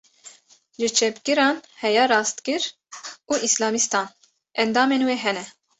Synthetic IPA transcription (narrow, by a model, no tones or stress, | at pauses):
ʒɨt͡ʃʰɛpkɨɾɑːnhɛjɑːɾɑːst̪kɨɾ | uːʔislɑːmist̪ɑːn | ʔɛnd̪ɑːmeːnweːɦɛnɛ